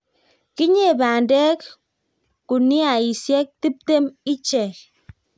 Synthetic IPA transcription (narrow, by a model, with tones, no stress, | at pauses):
ki˦ɲe˦e˨baː˨n̩˨de˦k | ku˨ni˦a˨i˨sje˦k̚ti˦p̚te˦mi˦t͡ʃe˨